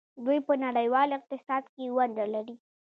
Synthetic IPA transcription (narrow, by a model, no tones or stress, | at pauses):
d̪ujpənaɽəjwɑlɪq̚t̪ɪsɑd̪kewaɳd̪alaɾi